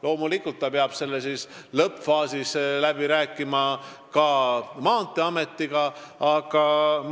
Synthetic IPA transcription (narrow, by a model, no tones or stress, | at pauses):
lo̞ːmulikːˑult̪ːɑpeɑb̥se̞lːesislɤpfɑːsislæb̥iɾæːkːˑimɑ | kɑmɑːnt̪ːˑeɑme̞t̪ˑːiɡ̥ɑɑɡ̥ɑ